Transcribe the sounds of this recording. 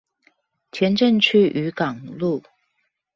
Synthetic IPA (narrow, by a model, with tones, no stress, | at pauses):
t͡ɕʰjɛ˧˥nʈ͡ʂə˥˧ŋt͡ɕʰy˥˩ʔy˧˥kɑ˨˩ŋlu˥˩